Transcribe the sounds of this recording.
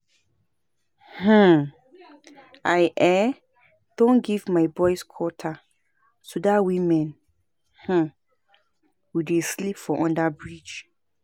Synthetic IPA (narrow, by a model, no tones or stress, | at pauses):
h̩ | ajʔɛ | d̥õnɡivmaɪbɔɪskʰɔtʰa | sodawĩmɛ̃n | h̩ | wideslipfɔʔɔ̃ndabɹid͡ʒ